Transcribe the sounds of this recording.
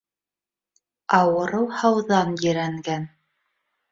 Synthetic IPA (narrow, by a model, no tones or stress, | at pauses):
ɑwɤ̆ɾɤwˠhɑwðɑnjɘ̆ɾæŋɡæn